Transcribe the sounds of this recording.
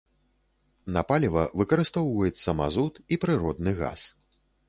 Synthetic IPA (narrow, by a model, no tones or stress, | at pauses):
nɐpalʲivɐvɨkɐɾɨst̪awvɔjɛt̪sɐma̰zut̪ipɾɨɾɔd̪̚nɨɣa̰s